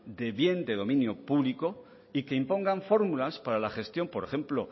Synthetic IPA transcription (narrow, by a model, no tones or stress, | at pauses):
d̪e̞βje̞nd̪e̞ð̞o̞mĩnjopuβliko̞ | ike̞impo̞ŋɡaɱfo̞ɾmulaspaɾalaxe̞st̪jo̞mpo̞ɾe̞xe̞mplo̞